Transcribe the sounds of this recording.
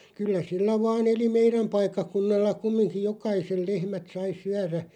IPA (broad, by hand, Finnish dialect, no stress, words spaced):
kylːæ silːæ ʋɑːn eli meiræm pɑikːɑkunːɑlːɑ kumːiŋkij̆ jokɑisel̆ lehmæt sɑi syæræ